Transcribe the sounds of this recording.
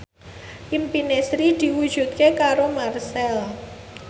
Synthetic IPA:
ʔimpinesɾid̪̥i̤wu̥ʒ̥ṳt̪̚kekaɾomarsɛla

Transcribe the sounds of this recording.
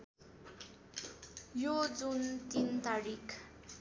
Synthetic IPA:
jod͡zunt̪int̪aɾikʰ

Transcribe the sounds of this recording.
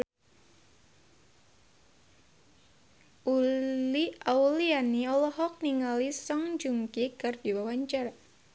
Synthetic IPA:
ʔuliaulianiɔlɔɦɔk̚niŋalisɔŋd͡ʒuŋkikərd̥iwawaɲt͡ʃara

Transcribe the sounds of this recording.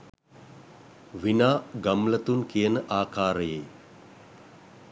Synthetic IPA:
ʋinaːɡamlət̪unkijənəʔaːkʰaːɾəjeː

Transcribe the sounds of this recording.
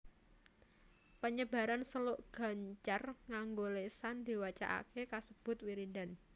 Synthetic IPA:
pəɲəba̤ɾansəlʊʔɡ̥ä̤ɲt͡ʃarŋaŋɡolesand̪̥i̤wat͡ʃa̰ʔa̰kekasəb̥ʊ̤t̪̚wiɾindan

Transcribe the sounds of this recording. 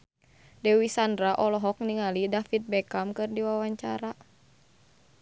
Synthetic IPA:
dɛwisandɾaʔɔlɔɦɔk̚niŋalidafit̪̚bɛkamkɨrdiwawaɲt͡ʃaɾa

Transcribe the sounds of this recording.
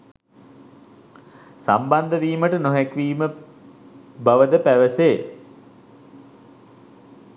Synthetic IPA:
samband̪əʋiːməʈənoɦækʋiːmə | baʋəd̪əpæʋəseː

